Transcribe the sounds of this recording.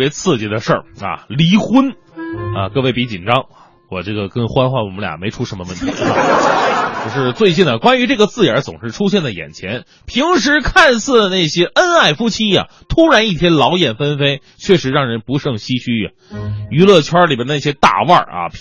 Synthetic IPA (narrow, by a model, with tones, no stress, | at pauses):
jɛ˧˥t͡s̩ʰ˥˧t͡ɕi˧˩d̪ə˧ʂə˞˥˩ɐ̰˩li˧˥xu˥n | ɐ̰˧kɤ˥˧we˥˩ɪpi˧˥t͡ɕi˨˩nʈ͡ʂɑ˥ŋa˧ | wɔ˨˩ʈ͡ʂɤ˥˩ɡə˩kɤ˥˩ŋxwa˥nxwa˥˩nwɔ̰˨˩m˦˥lja̰˨˩me˧˥ɪʈ͡ʂʰu˥ʂə˧˥mə˧wə˥˩nt̪ʰi˧ḭ˧˥˧ | t͡ɕjo˥˧ʊʂɻ̩˥˧t͡swe˥˧ɪt͡ɕi˥˩nd̪ə˩kwa˥ny˧˥ʈ͡ʂɤ˥˩ɡə˩t͡sɹ̩˥˩jə˞˧˥t͡sʊ˨˩ŋʂɻ̩˥˩ʈ͡ʂʰu˥ɕjɛ˥˩nd̪ə˩jɛ̰˨˩nt͡ɕʰjɛ˧˥n | pʰi˧˥ŋʂ̬ɻ̩˧˥kʰa˥˧nsɹ̩˥˩lə˩na˥˩ɪɕjɛ˥ʔə˥na˥˩ɪfu˥t͡ɕʰi˥ja̰˨ | t̪ʰu˥ɻa˧˥ni˥˩t̪ʰjɛ˥nlɑ˧˥ʊjɛ˨˩nfə˥nfe˥ɪ | t͡ɕʰɥɛ˥˩ʂɻ̩˧˥ɻɑ˥˩ŋɻə˧˥npu˧˥ʂɤ˥˩ŋɕi˥ɕʰy˥˩a̰˨y˧˥lɤ˥˩t͡ɕʰjwa˥li˨˩bə˥d̪jt̪a̰˥˧wɐ̰˞˥˧˩ɐ̰˨˩p